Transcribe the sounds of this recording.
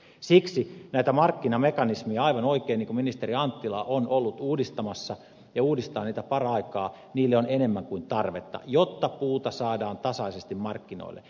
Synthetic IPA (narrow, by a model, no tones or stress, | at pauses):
siksinæit̪æmɑrkːinɑmekɑnismiæɑiʋɑnoikeːniŋkuminist̪eriɑnt̪ːilɑ̰ʔonolːut̪uːdist̪ɑmɑsːɑ | jɑuːdist̪ɑːniːt̪æpɑrɑikɑː | niːlːeonenemːæŋkuint̪ɑrʋet̪ːɑ̰jot̪ːɑpuːt̪ɑsɑːdɑːnt̪ɑsɑisest̪immɑrkːino̰ilːḛ